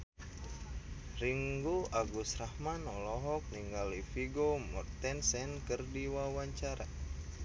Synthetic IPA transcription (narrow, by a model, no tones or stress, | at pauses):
riŋɡuaɡusrahmanɔlɔɦɔk̚niŋɡalifiɡomɔ̰rt̪ɛnsɛnkɨrdiwawaɲt͡ʃaɾa